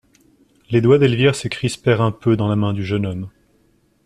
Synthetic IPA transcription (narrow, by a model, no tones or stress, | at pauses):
led̪wad̪ɛlvjɛʁsəkχispɛʁɛ̃pød̪ɑ̃lamɛ̃d̪yʒənɔm